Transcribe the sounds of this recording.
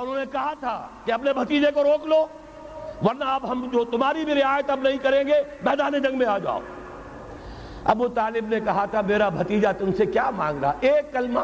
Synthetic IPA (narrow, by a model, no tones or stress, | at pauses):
ʊnɦõnekɐɦat̪ʰakeɐp̬nebʱɐt̪iːd͡ʒekoɾoːkloː | ʋɐɾnaɐpɦɐmd͡ʒoːt̪ʊmɦaːɾibʱiɾɪɦaːjət̪ɐbnɐɦĩkɐɾẽːɡemɛːd̪aːned͡ʒɐ̃ŋɡmẽaːd͡ʒa̰ːo̰ | ɐ̰but̪aːlɪbnekɐɦat̪ʰameːɾabʱɐt̪iːd͡ʒat̪ʊmsekjaːmãːŋɡɾaaʔeːkːɐlma